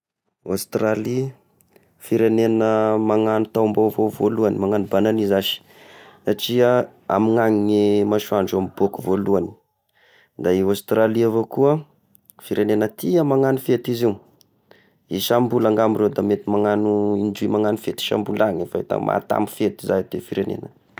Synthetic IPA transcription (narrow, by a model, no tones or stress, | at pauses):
ost̪ɾali | fiɾenenəmaŋanut̪ambavovoluanimaŋanubananizaʃi̥ | saʈ͡ʂia | a̰miŋaŋinemaʃuaɳɖ͡ʐamib̥okuvoluani̥ | d̪aiast̪raliavokuə | fiɾenenət̪iamaŋanufet̪izi | iʃambulaŋɡamirewd̪amet̪imaŋanuid͡ʒuimaŋanufet̪i̥ʃa̰mbulaŋefaet̪a̰mʔa̰t̪a̰mbufet̪izaɦd̪efiɾenḛnə